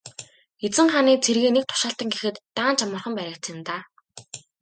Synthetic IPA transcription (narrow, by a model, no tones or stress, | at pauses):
et͡sɘ̆ŋχaniːt͡sʰerɣeːnek̚t̪ʰʊ̥ʃaːɬt̪ə̆ŋɡexɘ̆t̪ːaːnt͡ɕʰamə̆rχə̆mpæɾʲə̆k̚t͡sʰɪ̆nt̪aː